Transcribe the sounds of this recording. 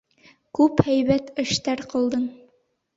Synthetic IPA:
kʉphæjbæt̪ɘ̆ʃt̪æɾqɤ̆lˠd̪ɤɴ

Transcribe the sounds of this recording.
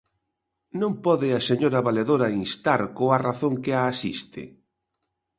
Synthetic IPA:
nõmpɔðɪaseɲoɾɐβaleðoɾɐinst̪aɾkoaraθoŋkɪaːsḭst̪ɪ̰

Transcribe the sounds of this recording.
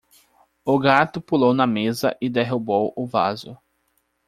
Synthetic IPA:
ʊɡat̪ʊpulownɐmezɐ̰ʔɪd̪eɦubowʊva̰zʊ

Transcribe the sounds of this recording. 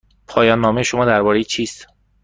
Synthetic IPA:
pʰɒːjɒːnːɒːmejeʃomɒːd̪æɾbɒːɾe̞jit͡ʃʰiːst̪

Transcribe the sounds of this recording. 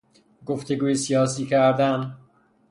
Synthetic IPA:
ɡoft̪ʰe̞ɡuːjesijɒːsiːcʰæɾd̪æn

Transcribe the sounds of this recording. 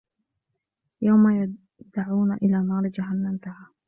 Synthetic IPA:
jawmaj | d̪aʕuːnaʔɪlaːnɑːɾˤd͡ʒaɦanːamt̪ahaː

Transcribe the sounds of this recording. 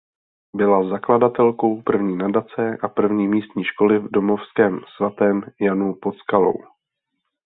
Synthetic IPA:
bɪlazakladat̪ɛlko̞wpr̩vɲiːnadat͡sɛʔapr̩vɲiːmiːst̪ɲiːʃko̞lɪvdo̞mo̞fskɛːmsvat̪ɛːmjanupo̞t̪t͡skalo̞̰w

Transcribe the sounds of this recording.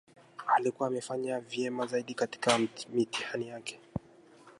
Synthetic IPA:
alikuwaːmɛfaɲavjɛmazaiɗikati̥kamitihanijakɛ̥

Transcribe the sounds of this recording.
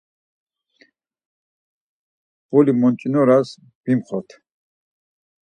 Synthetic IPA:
bɔlimɔnt͡ʃʼinɔɾas | b̥imχɔɾt̪ʰ

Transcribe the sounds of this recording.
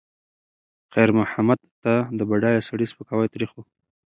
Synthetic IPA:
qajɾmʊhamad̪t̪ːad̪əbaɖɑjasaɽispəkɑwajt̪ɾixwu

